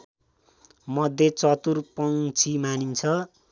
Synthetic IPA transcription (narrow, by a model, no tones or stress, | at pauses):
mʌd̪ʱːjet͡sʌt̪urpʌŋt͡sʰimanint͡sʰʌ